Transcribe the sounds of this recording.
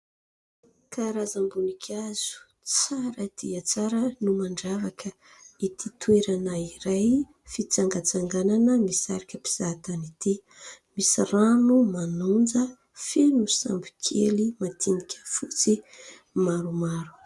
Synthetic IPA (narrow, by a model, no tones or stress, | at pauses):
kʰaɾazambunikʲʰaz̥u̥ | t͡saɾəd̪̥iət͡saɾənumaɳɖ͡ʐavakʰə | it̪ʰit̪weɾanaiɾaj | fit͡saŋɡat͡saŋɡananəmisaɾikʲəpi̥z̥at̪anit̪i | misiranumanund͡zə | fenusa̰mbi̥kʲʰelimat̪ʰinikʲə̥fut͡si | maɾumaɾu̥